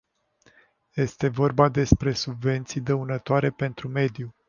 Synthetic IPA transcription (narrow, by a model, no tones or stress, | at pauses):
je̞st̪e̞vo̞rbad̪e̞spɾe̞subve̞nt̪sijd̪əunət̪oaɾe̞pe̞nt̪ɾume̞d̪ju